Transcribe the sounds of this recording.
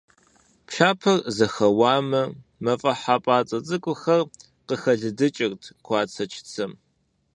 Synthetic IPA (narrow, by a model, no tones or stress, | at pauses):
pʃaːpʰɐrzɐxɐwaːmɐmɐfʼɐħaːpʼaːt͡sʼɐt͡sʼɨkʷʼʊxɐr | qəxɐɮɨdɨt͡ʃʼɪrtʰkʷʰɑːt͡sʰɐt͡ʃʰt͡sʰɐm